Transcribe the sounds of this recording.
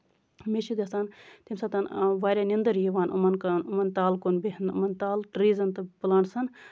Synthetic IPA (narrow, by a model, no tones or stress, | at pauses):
meʃid̪ʲɐsant̪imsɐt̪ɐnʋaːɾʲaːnind̪ɐɾjiʋaːnṵmɐnkɐnumɐnt̪aːlkonbeɦnṵmɐnt̪aːlʈɾiːzɐnt̪ɨbɐlaɳsɐn